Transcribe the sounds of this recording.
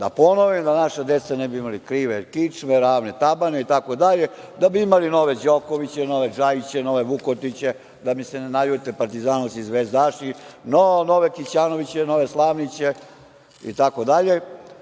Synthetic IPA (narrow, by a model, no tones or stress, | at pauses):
d̪a̰ponoʋimd̪anaʃad̪et̪sanɛbiimalikɾiʋekit͡ʂmeɾaːʋne̞t̪abaneit̪ako̞d̪aʎe | d̪abiimalino̞ʋe̞d͡ʑokoʋit͡ɕeno̞ʋe̞d͡ʒajt͡ɕeno̞ʋeʋukot̪it͡ɕe̞ | d̪amisenenajut̪epaɾt̪izaːnasizʋezd̪aʃinonoʋekit͡ɕaːno̞ʋit͡ɕeno̞ʋe̞slˠaːʋnit͡ɕe | ḭt̪ako̞d̪aʎe̞